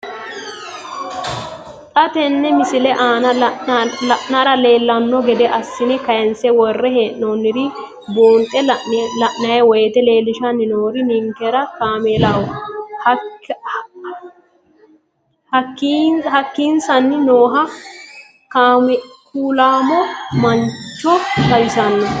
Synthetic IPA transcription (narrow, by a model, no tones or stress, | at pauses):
t̪ʼɐt̪ɛnːɛmɪsɪlɛʔaːnɐ | ɐʔnaɾɐle̞ːlːɐnːɔɡɛd̪ɛʔɐsːɪnɛkɐjɛnsɛwɔrːɛɦeːʔnonːɪɾɪ | boːnt̪ʼɛlɐʔnɐjɛwɔjɛt̪ɛle̞ːlɪʃɐnːɪnoːɾɪnɪŋkːɛɾɐkaːmelawɔhɐ | hɐkːihɐkːiːnsɐnːɪnoːɦɐ | kaːmkuːlaːmɔmɐnt͡ʃːɔt̪ɐjɪsɐnːɔ